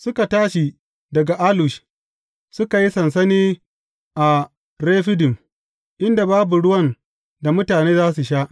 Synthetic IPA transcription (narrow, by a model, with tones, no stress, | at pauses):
sʊ˦ka˨taː˦ʃi˨ | dɐ˨ɡa˨ʔa˦lʊ˨ʃ | sʊ˦ka˨ji˦sɐ˨nsɐ˦niː˦ | ʔa˨ | ɾeː˦ɸɪ˦dɪ˨m | ʔɪ˦nda˨baː˦bu˨ɽʊ˦wɐ˦˨n | da˨mʊ˦taː˨neː˦zaː˦su˨ʃaː˦ʔ